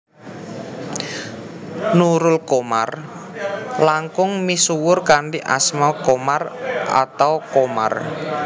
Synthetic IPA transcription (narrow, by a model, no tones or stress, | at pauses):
nuɾʊlkoma̰r | laŋkʊŋmisuwʊrkaɳɖiʔa̰smakomara̰t̪awkoma̰r